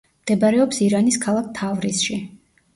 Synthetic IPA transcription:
md̪̥ɛbaɾɛɔpsiɾaniskʰalˠak̚ʰt̪ʰavɾisʃi

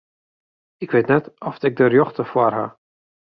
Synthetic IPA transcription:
ɪkʋetnɛtɔfɪk̚dərjɔχtəfwɔrɦa̰

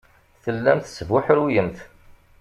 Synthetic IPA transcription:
θəlːæmθsəvʊħɾujəmθ

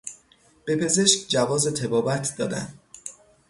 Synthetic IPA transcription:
b̥e̞pʰe̞ze̞ʃkʲd͡ʒævɒːzet̪ʰe̞bɒːbæt̪ʰd̪ɒːd̪æ̰nd̪

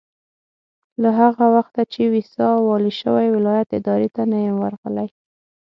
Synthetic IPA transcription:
laɦaɣawaxt̪at͡ʃewisɑwɑliʃəwajwɪlɑjat̪ɪd̪ɑɾet̪anajewaɾɣəlaj

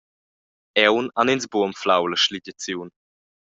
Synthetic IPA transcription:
ɛwnaninsbuəmflawləʃliɟət͡sjuːn

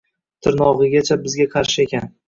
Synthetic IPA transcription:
t̪ʰɪɾnɒʁɨɡʲat͡ʃʰabɪzɡʲaqʰɑɾʃɪe̞kʲʰan

